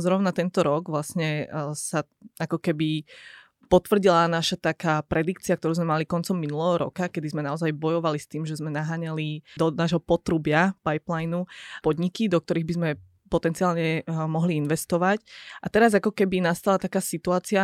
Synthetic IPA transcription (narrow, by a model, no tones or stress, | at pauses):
zɾɔʊnat̪ɛnt̪ɔɾɔɡʋlasɲɛsa | akɔkɛbi | pɔt̪ʋr̩ɟilanaʃat̪akaːpɾɛd̪ikt͡siakt̪ɔɾuːzmɛmalikɔnt͡sɔmːinulɛɦɔɾɔ̰kakɛd̪izmɛnaɔzajbɔjɔʋalist̪iːmʒɛzmɛnaɦaːɲalid̪ɔnaːʒɦɔpɔt̪ɾubɪapajplajnupɔd̪ɲikid̪ɔk̚t̪ɔɾiːɣbizmɛ | pɔt̪ɛnt͡siaːlɲɛmɔɦliinʋɛst̪ɔʋacʔat̪ɛɾazakɔkɛbinast̪alat̪akaːsit̪uaːt͡sia